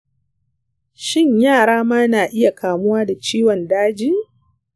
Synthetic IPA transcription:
ʃɪ˦ɲjaː˦˨ɽaː˦maː˦naː˨ʔɪ˦ja˨kaː˨mʊ˦waː˦da˨t͡ʃiː˦wɔ˨ndaː˦d͡ʒiː˦

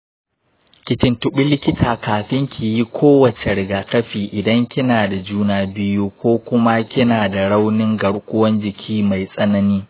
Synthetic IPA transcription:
kʲɪ˨t͡ʃɪ˦ntʊ˦ɓɪ˦lɪ˦kʲɪ˦tʰaː˨kaː˨ɸɪ˦ŋkʰʲi˨ji˦kʷʰoː˦wɐ˨t͡ʃe˨ɽɪ˨ɡaː˨kɐ˦ɸiː˨ʔɪ˨dɐ˦ŋkʲɪ˦naː˨da˨d͡ʒuː˦naː˦bɪ˦juː˦kʷoː˦kʷʊ˦ma˦kʲɪ˦naː˨da˨ɽa˦wnɪ˦ŋɡɐ˨ɽkʷʊ˦wɐ˦nd͡ʒɪ˨kʲʰiː˦ma˨jsʼɐ˦nɐ˦niː˦

